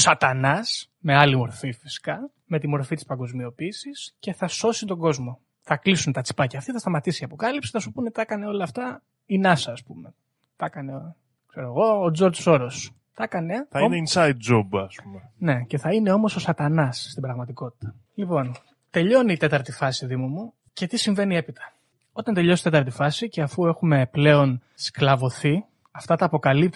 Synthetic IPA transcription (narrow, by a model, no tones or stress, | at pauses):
sɐt̪ɐnɐs | me̞ɐlimo̞ɾfifisi̥kɐ | me̞t̪imo̞ɾfit̪i̥spɐŋɡo̞zmio̞piːsisce̞θɐso̞sit̪o̞ŋɡo̞zmo̞ | θɐklisunet̪ɐt͡si̥pɐceɐft̪iθɐst̪ɐmɐt̪isiɐpo̞kɐlipsi̥θɐsupunet̪i̥ɐkɐneo̞lɐːft̪ɐ | inɐsɐːspume̞ | t̪ɐkɐne̞ | kseɾoeɣo̞ːd͡zo̞ɾd͡zso̞ɾos | t̪ɐkɐne̞θɐneinsɐjd̪̚d͡ʒobɐspumene̞ce̞θɐine̞o̞mo̞so̞sɐt̪ɐnɐsːt̪ibɾɐɣmɐt̪iko̞t̪i̥t̪ɐ̥ | lipo̞n | t̪e̞ʎo̞niːt̪et̪ɐɾt̪ifɐsiðimumu | ce̞t̪isiɱve̞nie̞pit̪ʰɐ̥ | o̞t̪ɐnd̪e̞ʎost̪t̪ɐɾt̪ifɐsiceɐfue̞xume̞ple̞o̞n | sklɐvo̞θi | ɐft̪ɐt̪ɐːpo̞kɐlip̚